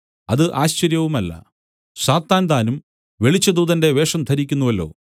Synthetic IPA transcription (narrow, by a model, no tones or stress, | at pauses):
ɐðɨʔaːɕt͡ɕɐɾjɐʋumɐlːɐ̰ | ɕaːt̪ːaːnd̪aːnum | ʋe̞ɭit͡ɕːɐd̪uːðɐnde̞ʋe̞ːʂɐmt̪ʰɐɾikʲːunːuʋɐlːo̞̰ː